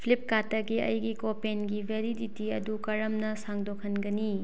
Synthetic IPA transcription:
pʰlip̚katɐɡiɐ̰jɡikopenɡibʱeɾiditiɐdukɐɾɐmnɐsaŋdokʰɐnɡɐni

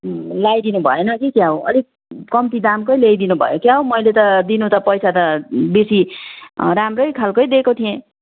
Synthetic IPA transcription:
lajd̪inubʱʌ̰enʌkikjaɦowʌ̰lik̚ | kʌmt̪id̪amkojlejd̪inubʱʌ̰jokjaɦowmʌjlet̪ʌd̪inut̪ʌpʌjsʰat̪ʌbesi | ɾamrʌjkʰalkʌjd̪ekot̪ʰijẽ

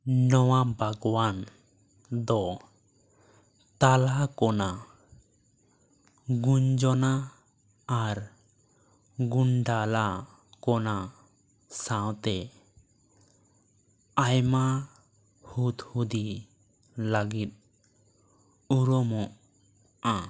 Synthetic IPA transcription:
nɔwabʱaɡwan | d̪ɔ | t̪alakɔna | ɡuɲd͡ʒɔnaː | ɾ | ɡunɖala | kɔna | sãwt̪ɛ | ajma | hut̪hud̪i | ləɡit̪̚ | uɾɔmɔʔ | ã

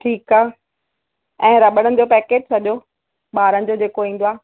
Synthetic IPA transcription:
ʈʰiːkaːe | ɛ̃ːɾɐɓəɽ̃ənɪ̆d͡ʑopɛːkeːd͡ʑsɐɗjo | ɓaːɾənɪ̆d͡ʑod͡ʑeːkoĩːnd̪oaː

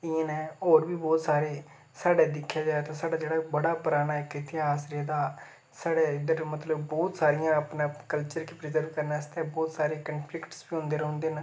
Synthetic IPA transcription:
ɪẽːnɛ̃ːoːɾbiːbɔːt̪saːɾeː | saːɽeːd̪ɪkʰːjaːd͡ʒaːeːt̪ãːsaːɽaːd͡ʒeːɽaːbəɽaːpʊɾaːnaːɪkɪt̪ɪɦaːsɾeːd̪aː | saːɽeːd̪əɾmət̪ləbbɔːt̪saːɾɪjãːəpnãːkəlt͡ʃəɾkiːpɾɪzəɾʋkəɾnaːɪst̪ɛ̃ːbɔːt̪saːɾeːkənpʰlɪkʈsbiːɦʊ̃nd̪eːɾəɦʊ̃nd̪eːn

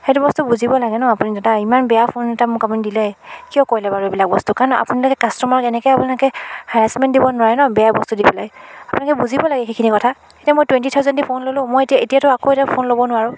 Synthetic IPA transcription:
xetʊbɔstubuzibɔlaɡɛnɔapunidɛtaimanbɛjapʰonɛtamʊ̃kapunidilɛkijɔkojlɛbaɹɔbilak̚bɔstukaɹnɔʔa̰punilakɛkastɔmaɹkɛnɛkɔjapunakɛhaasmɛndibɔnʊwaɹɛnɔbɛjabɔstudibɔlaɡɛapunakɛbuzibɔlaɡɛxekʰinikɔtʰa | ketiamojtwɛntitʰawzɔntipʰonlolʊ̃mojetiaetijatʊakoetapʰonlobɔnʊwaɹʊ̃

